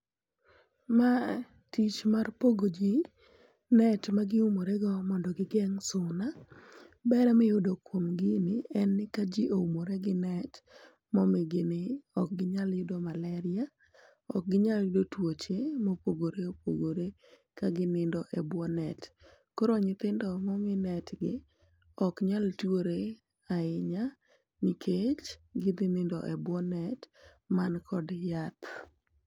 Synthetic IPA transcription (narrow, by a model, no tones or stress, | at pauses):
ma | tit͡ʃmarpoɡod͡ʒi | nɛtmaɡɪumoɾeɡɔmɔndɔɡɪɡɛŋsʊna | bɛɾɛmɛjʊdokwomɡɪnɪɛnːɪkad͡ʒiʔoumoɾeɡɪnɛt | mɔmɪɡɪnɪɔk̚ɡɪɲaljʊdɔmalɛɾɪa | ɔ̰k̚ɡɪɲaljʊdotwot͡ʃemopoɡoɾeopoɡoɾe | kaɡɪnɪndɔʔɛbwɔnɛt | koɾoɲɪt̪ɪndɔmɔmɪnɛtɡɪ | ɔkɲaltoɾe | aɪɲa | nikʰet͡ʃɡɪd̪ɪnɪndɔ̰ʔɛbwɔnɛt | mankʰɔdjat̪